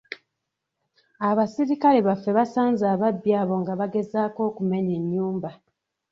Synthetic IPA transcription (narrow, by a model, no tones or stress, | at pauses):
aβasiɾikale̞βafːe̞βasaːnzaːβabjaːβo̞ŋɡaβaɡe̞zaːko̞ːkume̞ɲeɲːuːmba